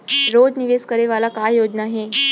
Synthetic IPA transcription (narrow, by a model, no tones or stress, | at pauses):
ɾod͡zniʋeskəɾeʋalakajod͡ʑnaɦe